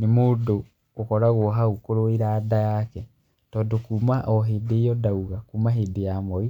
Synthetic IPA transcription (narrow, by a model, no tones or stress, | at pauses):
nemoːdo | ɣokɔɾaɣwɔɦaukoɾoiɾadajakɛ | tɔːndokuːmaʔɔɦeːdejɔdauɣakumaɦedejamɔi